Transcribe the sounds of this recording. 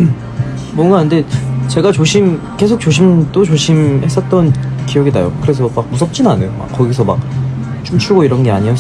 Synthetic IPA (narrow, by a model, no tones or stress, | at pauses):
mwʌnɡaɯnde̞t͡ɕe̞ɡat͡ɕoɕʰim | k͈e̞sʰok̚t͡ɕoɕʰimd͈ot͡ɕoɕʰimhe̞s͈ʌt̚t͈ʌnkijʌɡida̰jo̰kɯɾe̞sʰʌmak̚mus̬ʰʌp̚t͡ɕ͈inanejoma̰k͈ːʌɡis̬ʰʌmak̚ | t͡ɕut͡ɕʰuɡoiɾʌnɡe̞a̰ɲio